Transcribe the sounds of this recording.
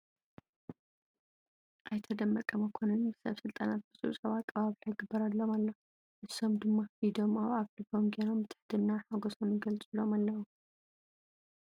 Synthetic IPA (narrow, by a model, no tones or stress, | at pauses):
ʔajt̪ʰɐd̪ɐmːɐkʼːɐmɐkʰonɨnsɐ̰βsɨlt̪ʼanat̪̚b̥ɨsʼuusʼɐβat̪kʼɐβaβilajɪɡɨbːɐɾadlːo̞malːo | ʔɨso̞md̪ɨmːahid̪o̞mawaβlɨbomɡanomːt̪ʰɨ̥ħd̪ɨnaħaɡosonɡɐlt͡sʼɨlomalːɐwu